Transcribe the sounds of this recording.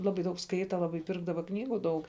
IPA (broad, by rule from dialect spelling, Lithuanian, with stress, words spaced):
ˈlˠɑːbɐɪ dɐʊk ˈskɐɪtɐ ˈlˠɑːbɐɪ ˈpʲɪrɡdɐʋɐ ˈknʲiːɡuː ˈdɐʊk